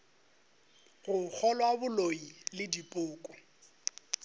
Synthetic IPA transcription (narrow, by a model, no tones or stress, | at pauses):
ɣʊk͡xʰɔlɔabʊloilɪdipʼʊːkʼɔ